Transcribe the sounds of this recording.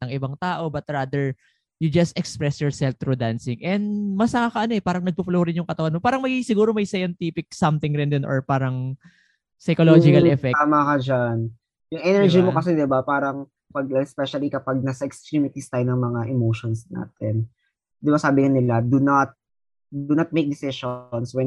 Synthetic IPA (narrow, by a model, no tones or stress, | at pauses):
ɐŋʔɪbɐŋt̪aːʔo̞bɐt̪̚ɹaːd̪ɛɹ | jʊd͡ʒɐst̪ɛkspɹɛsjɔɹsɛlft̪ɾʊd̪ansɪŋʔɛnd̪mɐsnɐŋakɐʔɐnoɛpaːɾɐŋnɐɡ̚puploːɾɪnjʊŋkɐt̪ɐwanmopaːɾɐŋmɐɡisɪɡuːɾomɐjsɐjɐnt̪iːpɪk̚sɐmt̪ɪŋɾɪnd̪ɪnʔo̰ɹpaːɾɐŋ | sɐjkolod͡ʒɪkɐlʔɛfɛamakɐd͡ʒan | jʊŋʔɛnɛɹd͡ʒimokɐsɛd̪ɪbapaːɾɐŋ | pɐɡ̚lɐspɛʃɐlikɐpaɡ̚nasɐɛkst̪ɾimɪt̪ist̪ajnɐŋmɐŋaʔɛmoʃonsna̰ːt̪ɛn | d̪ɪbasaːbɪŋanɪlad̪ʊnat̪̚ | d̪ʊnɐt̪̚mejk̚d̪ɪsɪʃonswɛn